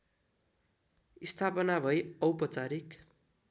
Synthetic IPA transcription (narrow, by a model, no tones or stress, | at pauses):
ist̪ʰapʌnabʱʌjʌwpʌt͡saɾik